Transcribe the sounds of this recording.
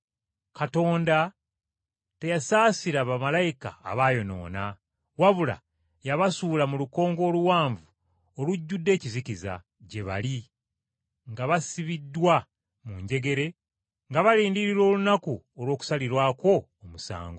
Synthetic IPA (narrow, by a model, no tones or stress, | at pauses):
kato̞ːnda | te̞jasaːsiɾaβamalajika̰ːβaːjo̞no̞̰ːna | waβula̰ | jaβasuːlamuluko̞ːŋɡo̞ːluwaːɱvu | oluɟːudːe̞ːciziciza̰ | ɟeβa̰li | ŋɡaβasiβidːwa | muɲɟe̞ɡe̞ɾe̞ | ŋɡaβaliːndiɾiɾo̞ːlunaku | olwo̞ːku̥saliɾwaːko̞ːmusa̰ːŋɡo